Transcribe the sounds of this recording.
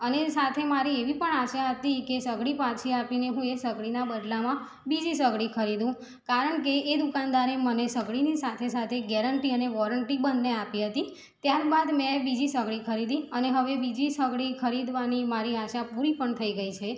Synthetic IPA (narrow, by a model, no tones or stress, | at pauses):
ənesat̪ʰemaɾieʋipəɳaʃaɦət̪ikesəɡɽipat͡ʃʰiapineɦũesəɡɭinabəd̪lamã | bid͡ʒisəɡɭikʰəɾid̪ũ | kaɾəɳkeːd̪ukand̪aɾemənesəɡɭinisat̪ʰesat̪ʰeɡɛɾəɳʈiəneʋɔɾəɳʈibənːeapiɦət̪i | t̪jaɾbad̪mɛ̃bid͡ʒisəɡɭikʰəɾid̪ĩəneɦəʋebid͡ʒisəɡɭikʰəɾid̪ʋanimaɾiaʃapuɾipəɳt̪ʰəiɡəit͡ʃʰe